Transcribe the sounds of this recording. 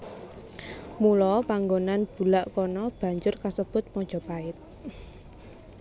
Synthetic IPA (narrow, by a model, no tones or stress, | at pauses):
mulɔpaŋɡonanb̥ṳlaʔkɔnɔb̥ä̤ɲd͡ʒʊrkasəb̥ʊt̪̚mɔɲ̥d͡ʒ̥ɔ̤paɪt̪̚